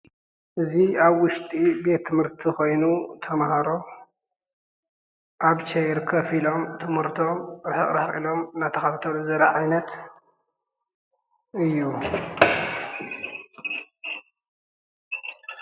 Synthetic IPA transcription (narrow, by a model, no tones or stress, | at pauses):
ʔɨziaβwʊʃt̪ʼibe̞t̪ʰːɨmhɨɾt̪ʰixo̞jnut̪ʰɐmhaɾo̞ | ʔaɡt͡ʃʰejɾkʰɐfilo̞mt̪ʰɨmhɨɾt̪ʰo̞mɾɨħɨ̰χʼɾaħxʼḭlo̞mɨnat̪ʰɐxɐt̪ɐt̪ʰɐluzɐɾɐʕajnɐt̪ | ɨjːu